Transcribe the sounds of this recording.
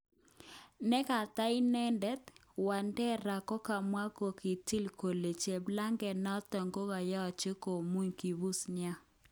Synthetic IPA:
nɛ˦ka˨t̪a˦i˦nɛ˦ndɛ˦t̪wa˨ndɛ˦ɾa˨kɔ˦ka˨mwa˦ko˨ki˨ti˦lko˨le˨t͡ʃe˨bla˦ŋɡɛ˨nɔ˦t̪ɔ˨ŋɡo˦ɡa˨jɔ˦˨t͡ʃe˦ko˨mu˦ɲki˨bu˦snja˦

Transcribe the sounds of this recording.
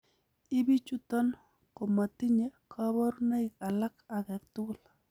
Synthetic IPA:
i˦bi˦t͡ʃu˦t̪ɔ˦n | ko˨ma˨ti˦ɲe˦kʰa˦bɔ˦ɾna˦i˨ka˨la˦ka˨ɡɛ˨k̚t̪u˦l

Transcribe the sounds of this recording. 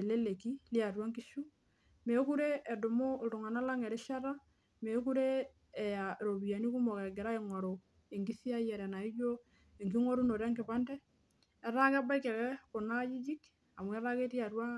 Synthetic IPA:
e˨le˦le˨ki˦li˦a˨twa˦ŋki˦ʃu˦ | me˨˦ku˦ɾeː˦˨do˨mo˦o˨lto˨ŋa˨na˦la˦ŋɛ˨ɾɛ˦ʃa˦ɾa˦ | me˨˦ku˦ɾe˦˨ | a˨ɾo˨bi˨ja˨ni˦ku˦mɔ˨kɛ˨ɡɛ˨ɾa˦eŋɔ˨ɾo˨ | e˨ŋki˦θi˦a˦jɛ˨ɾɛ˨na˨i˦d͡ʒo˦ | e˨ŋki˦ŋo˦ɾu˦no˨ɾɛ˦ŋkɪ˨pa˦ndɛː˦˨ | ɾa˦ka˦ba˦jkːɛ˨kɛ˦ko˨na˦ji˦d͡ʒi˦k | a˨mwɛ˦ɾa˦ke˦ti˦a˨ɾwa˦

